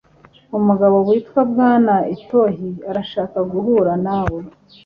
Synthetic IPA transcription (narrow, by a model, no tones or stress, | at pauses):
umuɡaβo̞wiːtkwab̚ɡaːnaito̞ɦiaɾaʃaːkaɡuɦuɾanaːwe